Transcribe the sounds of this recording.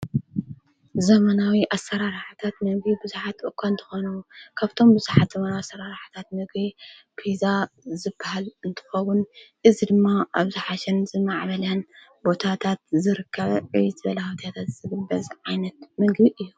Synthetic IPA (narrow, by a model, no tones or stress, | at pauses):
zɐmɐnawiʔasːɐɾaɾħɨt̪ʰat̪mɨɡbibɨzuħat̪ʔʼɨkʰʷːaɨnt̪ʰɨ̥xonɐwukʰaβt̪ʰo̞mbɨzuħat̪z̥ɐmɐnawiasɐɾaɾħḁt̪ʰat̪mɨɡbi | pʰizazɨbːahalɨnt̪ʰɨ̥xɐwʊnʔɨzid̪ɨmːaʔaβzɨħaʃɛnzɨmaʕβɐljan | bo̞t̪ʰat̪ʰat̪̚zɨɾɨkʰːɐβɐʕiɨβɐlahot̪ʰjat̪ʰat̪z̥ɨɡɨbɐzʕajnɐt̪̚mɨɡbiʔɨjːu